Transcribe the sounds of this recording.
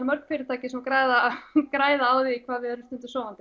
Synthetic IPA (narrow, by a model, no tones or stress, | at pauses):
mœɾ̥kfɪɾɪ̥t̪ʰaːcɪsɛmakɾaːjðakɾaːjðaaːwðiikʰvaːðvɪðɛɾʏ̥st̪ʏnt̪ʏ̥sɔːwvant̪ɪ